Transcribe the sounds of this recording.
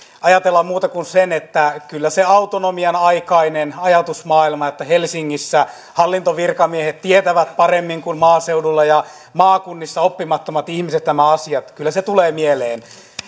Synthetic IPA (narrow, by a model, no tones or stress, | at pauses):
ɑjɑt̪elːɑmmuːt̪ɑkunsenet̪ːækylːæseɑwt̪onomiɑnɑikɑinenɑjɑt̪usmɑːilmɑet̪ːæhelsiŋːisːæ | hɑlːint̪oʋirkɑmiehet̪t̪iet̪æʋæt̪pɑremːiŋkunmɑːseudulːɑjɑ | mɑːkunːisːɑopːimɑt̪ːomɑt̪ihmiset̪næmæɑsiɑt̪kylːæset̪uleːmieleːn